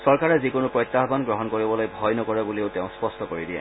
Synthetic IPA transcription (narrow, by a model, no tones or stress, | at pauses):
sɔɹkaɹɛzikonʊpɹɔjt̪ːaɦbanɡɹɔɦɔnkoɹibɔlojbʱɔjnɔkɔɹɛbulioteʊ̃spɔstɔkoɹidiɛ̰